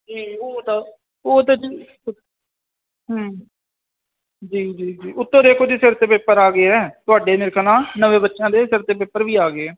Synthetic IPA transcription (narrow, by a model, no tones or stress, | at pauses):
d͡ʒiːoːt̪aː | oːt̪aːd͡ʒiː | ɦãː | d͡ʒiːd͡ʒiːd͡ʒiːʔʊt̪ːõːd̪eːkʰoːd͡ʒiːsɪɾt̪eːpepəɾaːɡeːɛːt̪ʊaːɖeːnɪɾkʰnãːnəʋẽːbətːʃjãːd̪eːsɪɾt̪eːp̬epːəɾʋiːaːɡeɛː